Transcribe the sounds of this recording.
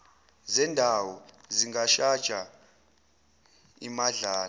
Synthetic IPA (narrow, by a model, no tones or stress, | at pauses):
zɛndʱawɔziŋɡaʃad̥ʒ̥ʱa | ḭmaɮaːl